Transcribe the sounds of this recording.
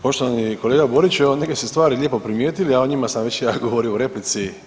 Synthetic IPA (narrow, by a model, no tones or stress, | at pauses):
po̞ʃt̪oʋaniko̞leːɡabo̞ɾit͡ɕeonekesest̪ʋaːɾilʲjeːpopɾimjeːt̪iliaoɲimasamʋet͡ɕejaɡoʋoɾiuɾeplit̪si